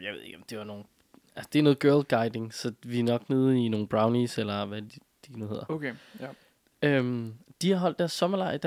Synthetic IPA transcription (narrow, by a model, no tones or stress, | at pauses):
jaʋe̝ð̞̰ˠe̝ɡ̥ɒ̽md̥e̝ʋɑ̈no̝ːn̩ | ælsɐ̥d̥e̝æɐno̽ːðˠɡ̥ɜɐlɡ̥ɑ̈ɪd̥e̝ŋsɒ̽ʋinɒ̽ɡ̥neðˠino̝ːn̩b̥ʁɑ̈ʊniselɐʋæd | d̥inuhe̝ð̰ˠɐokʰe | ømd̥ihɑ̈ɦɒ̽l̰d̥æɐsːɒ̽mɐlɑ̈ɪ̰d̥